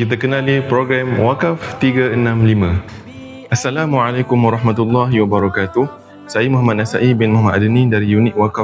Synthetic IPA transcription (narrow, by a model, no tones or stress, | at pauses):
kit̪̬akənãlipɾoɡɾɛmwakaft̪iɡaənãmlimã | ʔasːalamwaʕalakʊmwaɾˤɑɦmat̪ulːaɦiwabaɾɔkat̪uh | saimuɦamat̪̚nasaʔibɪnmɔɦmaadənĩdaɾijunɪk̚waka